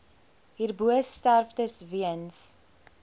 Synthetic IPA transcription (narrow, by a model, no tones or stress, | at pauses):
ɦiːrbuəsstærftəsviəns